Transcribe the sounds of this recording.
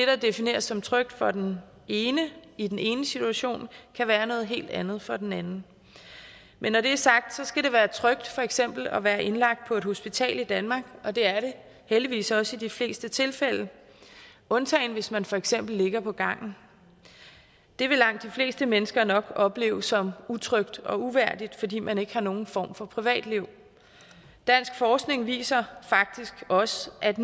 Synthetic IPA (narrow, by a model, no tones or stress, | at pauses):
d̥e̝ɾ̥ɑd̥e̝fine̝̰ːɐsːɒ̽mt͡sʰʁœɡ̥̚d̥fɒ̽d̥en | eːnəid̥ene̝ːnəsit͡sʰuæɕo̝̰ːnkʰæʋæːɐnɔ̽ːð̞̩ˠɦe̝̰ːld̥ænð̞̩ˠfɒ̽d̥enænn̩ | mʔenːɒɾe̝æɐsɑ̈ɡ̥̚d̥sɒ̽sɡ̥æɾe̝ʋæːɐt͡sʰʁœɡ̥̚d̥fɒ̽eɡ̥sem̰b̥l̩ɒʋæːɐʔe̝nlɑ̈ɡ̥̚d̥̚pʰɒ̽e̝d̥ho̝sb̥it͡sʰɛ̰ːlid̥ænmɑ̈ɡ̥ɒ̽d̥e̝æɐɾe̝ | held̥iʋḭːsɒ̽səid̥ifle̝̰ːsd̥ət͡sʰe̝lfel̰ə | ʔɔ̽nt͡sʰɛ̰ɪnʋe̝smænfɒ̽eɡ̥sem̰b̥l̩ːe̝ɡ̥ɐpʰɒ̽ɡ̥ɑ̈ŋ̰n̩ | d̥e̝ʋe̝lɑ̈ŋ̰d̥ifle̝̰ːsd̥əmenəsɡ̥ɐnɒ̽ɡ̥ɒ̽b̥le̝̰ːʊsɒ̽mut͡sʰʁœɡ̥d̥ɒ̽uʋæɐ̰d̥id̥fɒ̽dḭːmæne̝ɡ̥əhɑ̈no̝ːn̩fɒ̰ːmfɒ̽pʰʁiʋɛ̰ːd̥liʊ̰ | d̥æn̰sɡ̥fɒːsɡ̥ne̝ŋʋḭːsɐfɑ̈ɡ̥̚d̥isɡ̥ɒ̽sʔæd̥